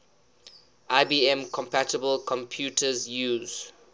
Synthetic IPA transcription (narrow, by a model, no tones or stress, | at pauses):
ʔaɪbiːɛ̃mkʰɔ̃mpætəbəlkʰɔ̃mpʰjuːtʰəzjuːz̥